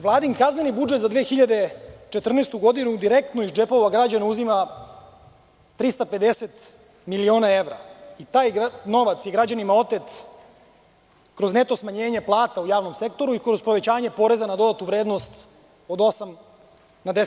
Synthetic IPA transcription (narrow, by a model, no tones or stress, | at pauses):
ʋlaːd̪iŋkaznenibud͡ʒet̪zad̪ʋeːxiʎad̪e̞t͡ʃet̪r̩neːst̪uɡo̞d̪inud̪iɾek̚t̪noiʒd͡ʒepoʋaɡɾad͡ʑaneuzima | t̪ɾist̪ape̞d̪eset̪ | milio̞ːnaeʋɾait̪aːjɡno̞ʋat̪sjeɡɾad͡ʑanimao̞t̪et̪ | kɾo̞zne̞t̪osmaɲeːɲe̞plˠaːt̪aujaːʋno̞mse̞k̚t̪o̞ɾuikɾo̞zpɾoʋe̞t͡ɕaːɲe̞po̞ɾe̞zanad̪o̞d̪at̪uʋɾe̞ːd̪no̞st̪ | o̞d̪o̞sam | nad̪e